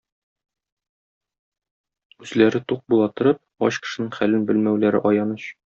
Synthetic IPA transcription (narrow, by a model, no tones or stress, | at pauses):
ʉzlæɾɘt̪uq̚bulˠɑt̪ɤ̆ɾɤp̚ɒɕkɘ̥̆ʃɘ̆nɘŋχælɘnbɘlmæwlæɾɘ̰ʔɒjɑnɤɕ